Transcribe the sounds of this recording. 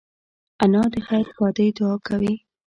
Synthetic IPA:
anɑd̪əxaɾpɑd̪əjd̪ʊɑkʰawi

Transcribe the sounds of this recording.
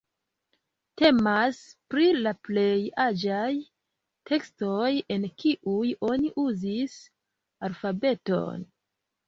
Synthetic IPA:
te̞maspɾilaple̞jad͡ʒaj | tʰe̞kstoje̞nkiʔujo̞niʔuzis | alfabe̞to̞̰n

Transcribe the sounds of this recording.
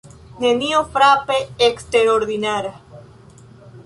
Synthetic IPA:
neniofɾapeekst̪eɾoɾðinaɾa

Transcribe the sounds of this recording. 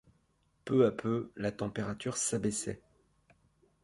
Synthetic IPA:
pøapʰølat̪ɑ̃peʁat̪yʁsabɛsɛ̰

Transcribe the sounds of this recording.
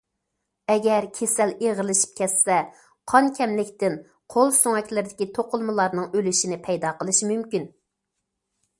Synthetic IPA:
ɛɡʲɛɾkʲʰesɛleʁəɾlɪʃi̥p̚kʲʰɛsːɛ | qʰɑnkʲʰɛmlɪkʲt̪ɪn | qʰolˠsoŋɛkʲlɪɾɪd̪ɪkʲit̪ʰoqʊlˠmɨlˠɑɾnɨŋølyʃinɪpʰɛjd̪ɑqəlˠɨʃimymkʲyn

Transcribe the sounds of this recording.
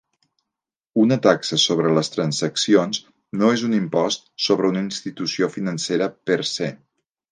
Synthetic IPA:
unət̪aksəsoβɾələst̪ɾənzəksions | noezunimpɔst̪soβɾəunəinst̪it̪usiofinənseɾəpəɾse

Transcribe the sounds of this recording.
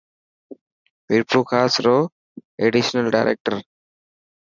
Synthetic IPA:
miɾpʰuːkʰaːsɾoː | eɖiʃnəlɖa̰ɪɾʔḛk̚ʈəɾ

